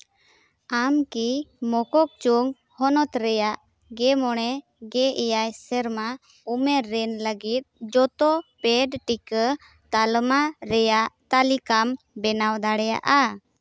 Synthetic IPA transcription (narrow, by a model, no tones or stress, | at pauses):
amkimɔkɔk̚t͡ʃuŋ | hɔnɔt̪ɾɛjaʔ | ɡɛmɔɽ̃ɛ | ɡɛʔɛjajsɛɾma | umɛɾɛnləɡit̪̚d͡ʒɔt̪ɔpɛɖʈikə | t̪almaɾɛjaʔt̪alikam | bɛnawd̪aɽɛja̰ʔa